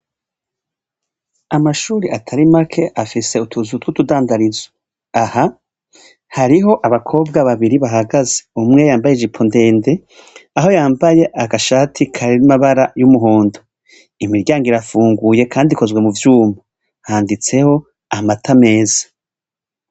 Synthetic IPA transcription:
amaʃuːɾiʔatʰaɾimakʰe̞ʔafise̞utuzutwutudaːndaɾiza | aha | haɾiɦo̞ʔaβakʰo̞ːbɡaβaβiɾiβaɦaɡazeumŋe̞jaːmbajeʒipʰonde̞ːnde̞ | aɦo̞jaːmbaje̞ʔaɡaʃaːtʰikʰaɾeimaβaɾajumuɦoːndo | imiɾɟaːŋɡiɾafuːŋɡuje̞kʰaːndiko̞zɡwe̞muvjuːma | haːndit͡se̞ho̞ | amatʰame̞ːzḁ

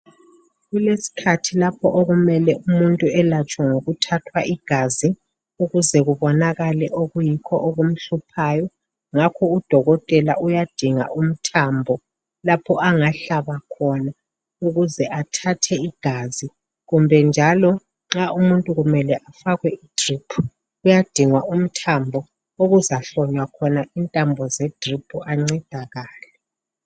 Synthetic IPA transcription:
ɣulesi̥kʰatʰilapʰɔʔoɣumɛlɛʔumuntʼuɛlat͡ʃʼwaŋoɣutʰatʰwaʔiɡ̥ʱazi | uɣuzɛɣuβɔnaɣalɛʔoɣujikʰɔʔoɣum̩ɬupʰajɔ | ŋakʰɔud̥ʱɔɣɔtʼɛla̰ʔujad̥ʱiŋa̰ʔum̩tʰaːmbʱɔ | lapʰɔʔaŋaɬaβakʰɔna | uɣuzɛʔatʰatʰɛiɡ̥ʱazi | ɣumbʱɛnd͡ʒʱalɔ | ŋ͡ǁaʔumuntʼuɣumɛlɛʔafaɣwɛid̥ripʰu | ujad̥ʱiŋwaum̩tʰambʱɔ | oɣuzaɬɔɲwakʰɔnaintʼambʱɔzɛd̥ripʰuaŋ͡ǀɛd̥ʱaɣaːlɛ

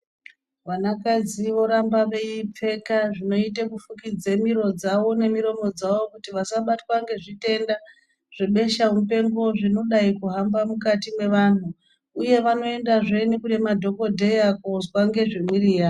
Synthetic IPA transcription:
ʋanakad͡ziʋo̞ɾambaʋe̞ip͡fe̞kaʐino̞itekufukid͡zemiɾo̞d͡zaʋo̞ne̞miɾo̞mo̞d͡zaʋo̞kutiʋasaɓatwaŋɡe̞ʐite̞nda | ʐ̥eɓe̞ʃaumpe̞ŋɡo̞ʐino̞ɗaikuɦambamukatimwe̞ʋan̤u | uje̞ʋano̞e̞ndaʐenekune̞madʱo̞ko̞dʱe̞jakuzwaŋɡe̞ʐimwiriːra

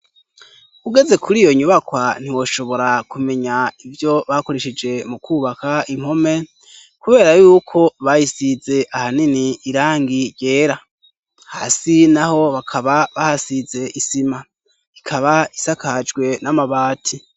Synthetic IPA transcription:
uɡe̞ze̞kʰuɾijo̞ɲuβakwan̥iwo̞ʃo̞βo̞ɾakume̞ɲaivjo̞βako̞ɾe̞ʃid͡ʒe̞mukʰuːβakaim̥ho̞me̞ | kuβe̞ːɾajuːkʰo̞βajisize̞ʔahaniniːɾaːŋɡiɾje̞ːɾa | ha̰ːsinaho̞βakʰaβaβahasize̞ʔisima | ikʰaβaisakad͡ʒɡwe̞namaβaːtʰi

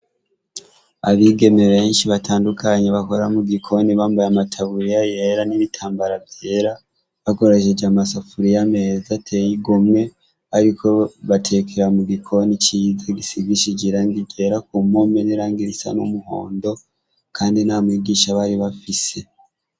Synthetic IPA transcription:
a̰βiːɡe̞me̞βe̞ːnʃiβatʰaːndukʰaɲeβako̞ɾamuɡikʰo̞niβaːmbajamatʰaβuɾijajeːɾaniβitʰaːmbaɾavje̞ːɾa | βako̞ɾaʃed͡ʒamasafuɾijame̞zatʰejiɡomŋe̞ | aɾikʰo̞βatʰe̞kʰeɾamuɡikʰo̞nit͡ʃiːzaɡisiɡwiʃid͡ʒiɾaŋɡiɟe̞ːɾakumo̞meneɾaːŋɡiɾisa̰nomuho̞̰ːndo̞ | kʰaːndinamwiːɡiːʃaβaɾiβafise̞

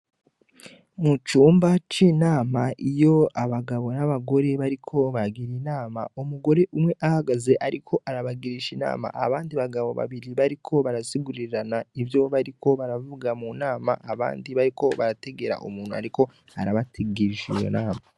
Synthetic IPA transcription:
mut͡ʃuːmbat͡ʃiːnaːmaʔijo̞aβaɡaβo̞naβaɡo̞ɾe̞βaɾikʰo̞βaɾaɡiɾinaːma̰omuɡo̞ɾe̞ʔumŋe̞ʔahaɡaze̞ʔaɾikʰo̞ʔaɾaβaɡiɾiʃina̰ːma̰ʔaβaːndiβaɡaβo̞̰βa̰βiɾiβaɾikʰo̞βaɾasiɡuɾiɾanaivjoβaɾiko̞βaɾavuɡamunaːma̰ʔaβa̰ːndiβaɾikʰo̞βaɾate̞ɡe̞ɾa̰ʔṵmuːn̥ua̰ɾiko̞ | aɾaβatʰiɡiɾiʃijo̰naːma

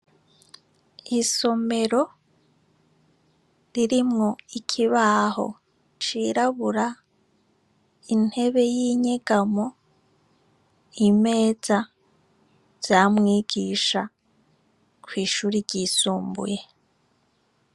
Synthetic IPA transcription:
iso̞me̞ɾo̞ | ɾiɾimŋo̞ikʰiβaːɦo̞̰ | t͡ʃiːɾaβuɾa | in̥he̞βe̞jiːɲeɡamo | ime̞ːza | z̥jaːmŋiːɡiːʃa | kʰwiːʃuːɾiɾɟisuːmbṵje̞

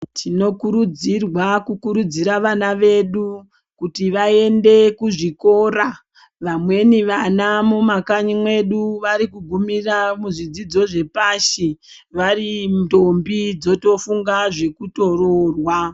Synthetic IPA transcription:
tʰino̞kuɾud͡zirwakukuɾud͡ziɾaʋanaʋe̞ɗu | kutiʋae̞nde̞kuʐiko̞ːra | ʋamwe̞niʋanamomakaɲimwe̞ɗuʋaɾikuɡʱumiramuʐid͡zid͡zo̞ʐe̞paːʃe | ʋarimtombid͡zo̞to̞fuŋɡaʐe̞kuto̞rorwa

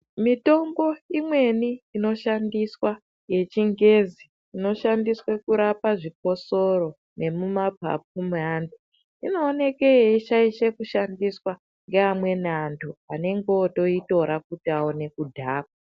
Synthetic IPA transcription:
mito̞mbo̞imwe̞niːno̞ʃandiswa | je̞t͡ʃiŋɡe̞ziː | no̞ʃandiswekuɾapaʐik̚o̞soɾo̞ | ne̞mumabʱa̰p̚umuandu | ino̞ːne̞ke̞jeiʃaiʃekuʃandiswa | ŋɡeamwe̞nantʰuane̞ŋɡoto̞ito̞ɾak̚utiaone̞kudʱaːk̚a

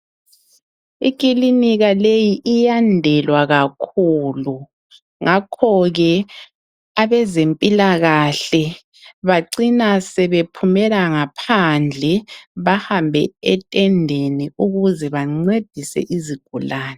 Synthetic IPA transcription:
ikʼiliniɣalejiʔijandʱɛlwaɣakʰuːlu | ŋakʰɔɣɛ | aβɛzempʼilaɣaɬɛ | βaǀinasɛβepʰumɛlaŋapʰand͡ɮʱɛβahambʱɛ̰ɛtʼɛndʱeniuɣuzɛβaŋ͡ǀed̥ʱisɛ̰ʔiziɡ̥ʱulaːnɛ

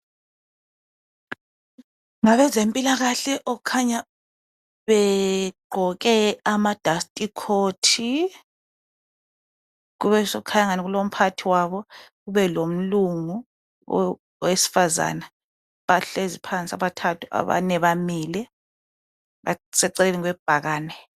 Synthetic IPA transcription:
ŋaβɛzempʼilaɣaɬɛʔɔukʰaɲa | βɛɡ͡ǃʱɔkɛamad̥ʱastʼikʰoːtʰi | ɣuβɛsɔukʰajaŋaniɣulom̩pʰatʰiwaβɔɣuβɛlom̩luŋu | wesi̥faza̰ːna | βaɬezipʰant͡sʼiaβatʰatʰu̥ʔa̰βa̰nɛβamiːlɛ | βa̰sɛǀɛleliŋwɛb̥ʱaɣaːnɛ

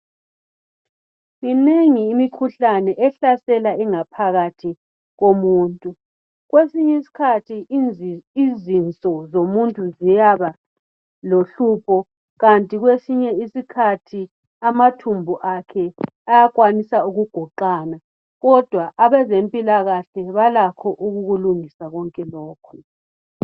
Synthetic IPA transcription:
ŋineŋiːmikʰuɬanɛʔɛɬasɛlaɛŋapʰaɣatʰi | ɣomuːntʼu | ɣwesiɲesi̥kʰatʰi | izint͡sʼɔzomuntʼuzijaβa | loɬuːpʰɔ | ɣantʼiɣwesiɲɛisikʰatʰi | amatʰumbʱuʔakʰɛ | ajakwanisauɣuɡ̥ʱɔǃaːna | ɣɔd̥ʱwaʔaβɛzempʼilaɣaɬɛβalakʰɔʔuɣuɣuluŋisaɣɔŋkʼɛlɔːkʰɔ̥

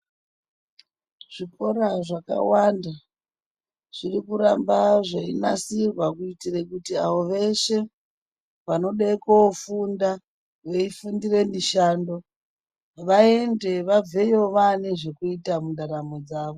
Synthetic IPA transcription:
ʐ̥iko̞ɾaʐaka̰wanda | ʐ̥irikuɾambaʐainasirwakuitirekutiaʋo̞ʋe̞ʃe̞ | ʋano̞ɗaikofunda | ʋeifundire̞miʃaːndo̞ | ʋae̞nde̞ʋab͡ve̞jo̞ʋaneʐe̞kuitamundaɾamod͡zaːʋo

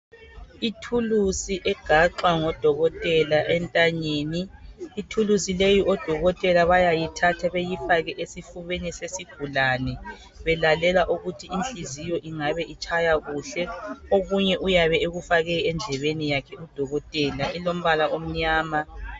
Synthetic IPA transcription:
itʰulusiʔɛɡ̥ʱaǃaŋɔd̥ʱɔɣɔtʼɛlaʔɛntʼaɲeːniːtʰulusilejiʔɔd̥ʱɔɣɔtʼɛlaβajajitʰatʰaβejifaɣɛʔesifuβenisesiɡ̥ʱulaːnɛ | βɛlalɛlaʔuɣutʰiinɬizijɔʔiŋaβɛʔit͡ʃʰʼajaɣuɬɛoɣuɲɛʔujaβɛeɣufaɣɛɛnd͡ɮʱɛβenijakʰɛud̥ʱɔɣɔtʼɛːlaʔilom̩βalaʔom̩ɲaːma

